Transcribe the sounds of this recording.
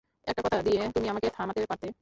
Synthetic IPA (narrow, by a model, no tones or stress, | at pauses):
ɛ̰ːk̚ʈapɐt̪aɾəd̪iɛt̪ʊmĩamãket̪ʰaːmat̪eːepəɾt̪e